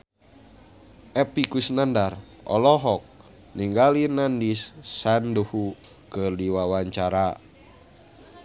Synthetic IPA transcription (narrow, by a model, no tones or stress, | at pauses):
ʔɛpikusnandar | ɔ̰lɔɦɔk̚ | niŋɡalinandisːanduhu | kərdiwawaɲt͡ʃaɾa